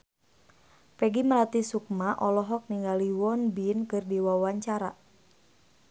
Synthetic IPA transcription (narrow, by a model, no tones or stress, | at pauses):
pɛɡiməlat̪isuk̚maʔɔlɔɦɔk̚niŋɡaliwɔnbinkɨrdiwawaɲt͡ʃaɾa̰